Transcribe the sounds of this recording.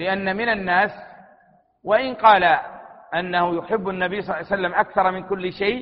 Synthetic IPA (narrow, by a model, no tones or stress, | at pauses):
lɪʔanːamɪnanːaːs | waʔɪnqɑːlaʔanːahʊjʊħɪbːanːabijsˤɑlːsalːamʔakθɑɾˤmɪnkʊlːɪʃajʔ